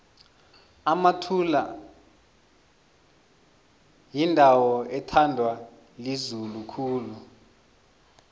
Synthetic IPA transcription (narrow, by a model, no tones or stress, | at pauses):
amatʰula | jindʱawɔɛtʰandʱwa | lizulukʰuːlu